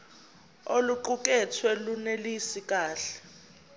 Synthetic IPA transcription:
oluǃuk̬ʼɛt͡sʰwɛlunelisik̬ʼaːɬɛ̥

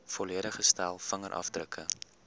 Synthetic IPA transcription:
fɔliəɾəχəstælˠfəŋəɾʔɐ̰fdrəkʰə

